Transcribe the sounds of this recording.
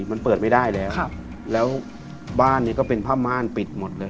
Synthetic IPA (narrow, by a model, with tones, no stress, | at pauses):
ma˧npəɤː˨˩t̪̚ma˥˩jdaː˥˩jlɛː˦˥wwʰa˧˩ | lɛː˦˥w | baː˥˩nːiː˦˥˩kɔː˥˩pe˧npʰaː˥˩p̚maː˧˥˩npi˨˩t̪̚mo˨˩t̪̚lɤː˧